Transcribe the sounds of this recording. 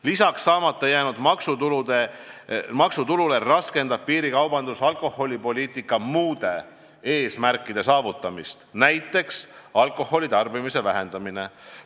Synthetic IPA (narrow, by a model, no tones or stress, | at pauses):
lisɑksːɑːmɑt̪ːˑɑjæːnud̪mɑksut̪ulud̪e | mɑksut̪ulule̞rɑske̞nd̪ɑb̥̚piːɾikɑwbɑnd̪̥usɑlko̞ho̞lʲipo̞lʲiːt̪ˑikːˑɑmuːd̪̥e̞ | e̞ːsmærkˑːid̪̥e̞sɑːvut̪ːˑɑmist̪næjt̪ːˑe̞ksɑlkˑo̞ho̞lʲit̪ɑrbimise̞væɦe̞nd̪ɑmine̞